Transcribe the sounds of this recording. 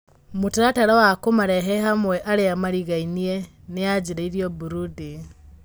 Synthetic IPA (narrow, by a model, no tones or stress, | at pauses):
muteɾataɾawakomaɾɛɦɛɦamwɛʔaɾeamaɾiɣainiɛ | nead͡ʒiɾaiɾiɔbuɾudi